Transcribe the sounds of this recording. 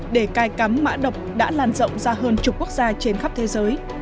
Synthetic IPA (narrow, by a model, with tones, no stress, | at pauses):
ɗe˧˩kaː˧jka˨˦mːa̰ː˧˥ɗə˨˩wk͡p̚ɗa̰ː˧˥laː˨˩nzə̰˧˨wŋ͡mzaː˧ɦəː˧nt͡ɕʊ˨˩ku˦˥ək̚zaː˧t͡ɕe˧nxa˦˥p̚t̪ʰe˨˦zəː˨˦j